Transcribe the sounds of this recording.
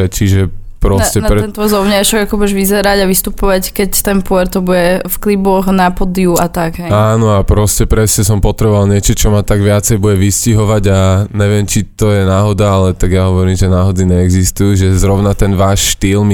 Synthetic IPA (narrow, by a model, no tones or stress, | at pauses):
ɛt͡ʃiʒɛ | pɾɔscɛɾɛɛnt̪zɔʊɲaʃɔɡakɔbuɛʒʋizɛɾaɟaʋist̪upɔʋackɛct̪ɛnpuɛɾt̪ɔbuɟɛfklibɔxnapɔd̪iuat̪akɦɛjaːnɔapɾɔscɛpɾɛsɲɛsɔmpɔt̪ɾɛbɔʋalɲɪɛt͡ʃɔt͡ʃɔmat̪aɡʋɪat͡sɛjbuɟɛʋisciɦɔʋaɟaɲɛʋɛmt͡ʃit̪ɔjɛnaːɦɔd̪aalɛt̪aɡjaɦɔʋɔɾimʒɛnaːɦɔd͡ziɲɛɛɡzist̪ujuʒɛzɾɔʊnat̪ɛnʋaːʃʃt̪iːlmi